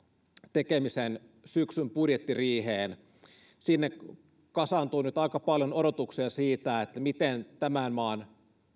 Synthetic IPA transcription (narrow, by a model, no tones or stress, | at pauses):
t̪ekemisen | syksympudjet̪ːiriːɦeːn | sinːe | kɑsɑnt̪uːnyt̪ɑikɑpɑljonoɾot̪uksiɑsiːt̪æet̪ːæmit̪ent̪æmænmɑːn